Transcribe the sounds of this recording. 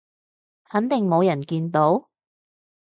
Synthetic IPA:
hɐ˨˥nt̪ɪ˨ŋmo˨˧wjɐ˨˩nkiː˧nt̪o˨˥w

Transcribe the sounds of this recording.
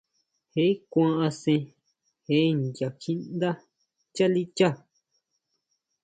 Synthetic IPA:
he˦i˦kʷã˧ʔã˧sẽ˧ | he˧˦˧ndja˨kĩ˦nd̪a˦ | t͡ʃa˦li˦t͡ʃa˦˨

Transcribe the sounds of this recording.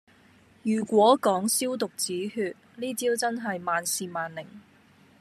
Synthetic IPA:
jyː˨˩kʷɔː˨˥kɔː˨˥ŋsiː˥wt̪ʊ˨k̚t͡siː˨˥hyː˧t̚liː˥t͡siː˥wt͡sɐ˥nɦɐ˨jmaː˨nsiː˨maː˨nlɪ˨˩ŋ

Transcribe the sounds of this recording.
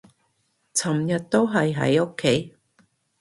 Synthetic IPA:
t͡sʰɐ˨˩mjɐ˨t̚t̪ːo˥wɦɐ˨jɦɐ̰˨˦jo˥kʰːe˨˥j

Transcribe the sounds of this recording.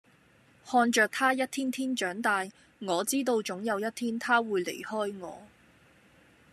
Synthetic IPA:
hɔː˧nt͡ʃœː˨˧k̚t̪ʰaː˥jɐ˥t̚t̪ʰiː˥nt̪ʰiː˥nt͡ʃœː˨˥ŋt̪aː˧j | ŋɔː˨˧t͡siː˥t̪o˧wt͡sʊ˨˥ŋjɐ˨˧wjɐ˥t̚t̪ʰiː˥nt̪ʰaː˥wuː˨˧jle˨˩jhɔː˥jŋɔ̰ː˨˧

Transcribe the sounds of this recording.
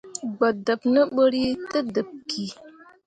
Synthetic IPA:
ɡ͡ba˨da˨pnə˦ɓə˦ɾi˦tə˦də˨p̚ki˨

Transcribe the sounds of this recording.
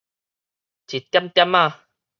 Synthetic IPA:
t͡ɕi˨˩t̪ːja˦mt̪ja˦ma˧˨

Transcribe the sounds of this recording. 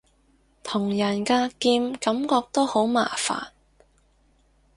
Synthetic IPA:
t̪ʰʊ˨˩ŋjɐ˨˩nkaː˧kiː˧mkɐ˨˥mkɔː˧k̚t̪o˥who˨˥wma̰ː˨˩fa̰ː˨˩n

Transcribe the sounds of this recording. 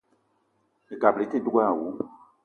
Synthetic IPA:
e˨ɡa˨ble˨˦te˦du˦ɡa˦˨wu˨˦

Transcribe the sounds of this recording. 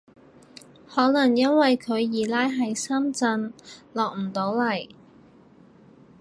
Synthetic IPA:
hɔː˨˥lɐ˨˩ŋjɐ˥nwɐ˨jkʰɵ˨˧ɥjiː˨˩laː˥jɦɐ˨jsɐ˥mt͡sɐ˧nlɔː˨k̚m̩˨˩t̪o˨˥wlɐ˨˩j

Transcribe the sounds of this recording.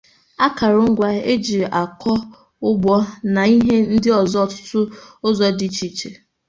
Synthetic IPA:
a˦ka˨ɾʊ˦ŋ̩˦ɡʷa˦e˦d͡ʒi˨ʔa˨kɔ˦ | ʊ˦ɡ͡bɔ˦na˨i˦ɦe˦n̩˦dɪ˦ɔ˨zɔ˦˨tʊ̥˦tʊ˦ʊ˦zɔ˦di˨˦t͡ʃi˨t͡ʃe˨

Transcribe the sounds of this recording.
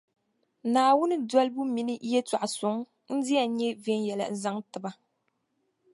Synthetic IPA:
naː˨wʊ˦nɨ˦dɔ˦lbu˦mi˨nɨ˦jɛ˦ta˨ʔa˨sʊ˨ŋ | n̩˦di˦a˨ɲɛ˦ve˦njɛ˨la̰˨n̩˦za˦ŋtɨ˨ba˦

